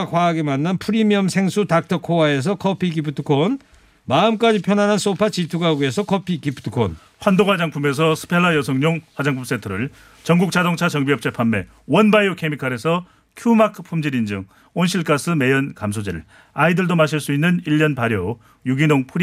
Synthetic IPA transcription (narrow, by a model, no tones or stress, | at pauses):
kwaaɡemanːanpʰɯɾimiʌmsʰe̞ŋsʰutak̚tʰʌkʰowae̞s̬ʰʌkʰʌpʰik̬ipʰɯtʰɯ̥kʰon | maɯmk͈ad͡ʑipʰjʌnanans͈opʰat͡ɕitʰuɡaɡue̞sʰʌkʰʌpʰikipʰɯ̥tʰɯkʰo̰n | ɸwandohwad͡ʑaŋpʰume̞s̬ʰʌsʰɯ̥pʰe̞ɭːajʌsʰʌŋɲoŋɸwad͡ʑaŋpʰums͈etʰɯɾɯɭ | t͡ɕʌŋɡuk̚t͡ɕ͈adoŋt͡ɕʰat͡ɕʌŋbiʌp̚t͡ɕ͈epʰamːe̞̰ | wʌnbajokʰemikʰaɾe̞sʰʌ | kʰjumakʰɯ̥pʰumd͡ʑiɾind͡ʑɯŋ | onɕʰiɭk͈asʰɯme̞jʌnkamsʰod͡ʑiɾɯɭ | aidɯɭdomaɕʰiɭs͈uinːɯniʎːʌnpaɾjo | juɡinoŋpʰɯɾ